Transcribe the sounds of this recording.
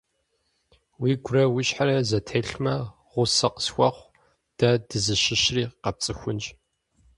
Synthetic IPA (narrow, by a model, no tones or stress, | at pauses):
wiːɡʷʊɾɐwʊɕħaɾɐzɐtʰeːɬmɐ | ʁʷʊsɐqə̥sxʷɐχʷ | d̥adɨzɨʃɪʃriːqɐp̚t͡sʼɨxʷʊnd͡ʒ